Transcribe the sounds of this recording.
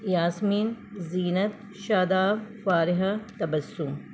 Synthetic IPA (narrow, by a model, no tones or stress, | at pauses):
jaːsmiːnziːnɐt̪ | ʃaːd̪aːwfaːɾɪɦɐt̪ɐbɐsːum